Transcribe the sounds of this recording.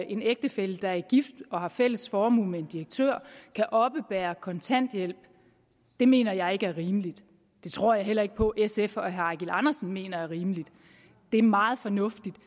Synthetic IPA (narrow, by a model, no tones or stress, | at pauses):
ʔe̝neɡ̥̚d̥əfel̰d̥d̥ɑ̈æɐɡ̥ifd̥ɒ̽hɑ̈fel̰əsfɒːmṵmee̝nd̥iʁɐɡ̥̚t͡sʰø̰ɐ̰kʰæʔɒ̽b̥əb̥æːɐkʰɒ̽nt͡sʰæn̰d̥jel̰b̥ | d̥e̝me̝̰ːnɐjɑ̈ɪe̝ɡ̥əæɐʁiːməlid̥ | d̥e̝t͡sʰʁo̝ɐ̰jɑ̈ɪɦel̰ɐe̝ɡ̥̚pʰɒ̽ʔesefɒɦæɑɡ̥elɑ̈nɐsn̩me̝̰ːnɐæɐʁiːməlid̥ | d̥e̝æɐmɑ̈ːð̞̩ˠfɒ̽nɔ̽fd̥id̥